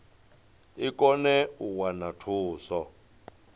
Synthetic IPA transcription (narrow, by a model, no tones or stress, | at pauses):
ikʼɔnɛuwanatʰuːsɔ